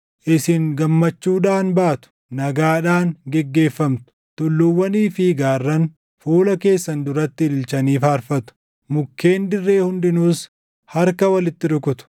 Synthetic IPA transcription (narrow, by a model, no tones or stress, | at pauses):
ʔɪsɪŋɡɐmːɐt͡ʃːuːᶑaːnbaːt̪ʊ̥ | nɐɡaːᶑaːŋɡɛɡːe̞ːfːɐmt̪ʊ̥ | t̪ʊlːʊwːɐniːfiɡaːrːɐn | fuːlɐke̞ːsːɐnd̪ʊɾɐt̪ːɪlɪlt͡ʃɐniːfaːɾfɐt̪ʊ̥ | mʊkːe̞ːnd̪ɪrːe̞ːhʊnd̪ɪnuːs | hɐɾkɐwɐlɪt̪ːɪᶑʊkʊt̪ʊ̥